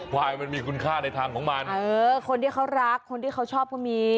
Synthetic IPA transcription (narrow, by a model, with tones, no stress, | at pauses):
waː˧jma˧nmiː˧kʰu˧nkʰaː˥˩na˧jt̪ʰaː˧ŋkʰɔː˩˦ŋmaː˧nɤː˧kʰo˧nt̪iː˥˩kʰa˦˥wɾa˦˥kʰːo˧nt̪ʰiː˥˩kʰa˦˥˩wt͡ɕʰɔː˥˩p̚kʰa˥˩miː˧